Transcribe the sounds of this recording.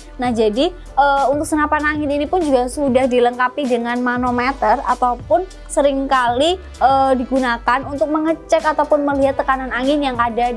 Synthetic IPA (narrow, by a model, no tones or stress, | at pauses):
nahd͡ʒadi | ʔəunt̪ʊksənapanaŋɪninipʊnd͡ʒuɡasudahdiləŋkapidəŋanmanomet̪əra̰t̪awpʊn | səɾɪŋkali | ʔədiɡunakanunt̪ʊk̚məŋət͡ʃɛkat̪awpʊnməliɦat̪ːəkananaŋɪnjaŋada